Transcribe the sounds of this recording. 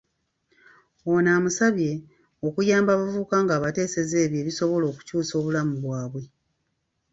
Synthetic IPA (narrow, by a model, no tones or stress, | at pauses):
onaːmusaβje̞ | o̞kujaːmbaβavuːkaŋɡaːβate̞ːse̞zeːβje̞ːβiso̞βo̞lo̞ːku̥cuːso̞ːβulamuβwaːβwe̞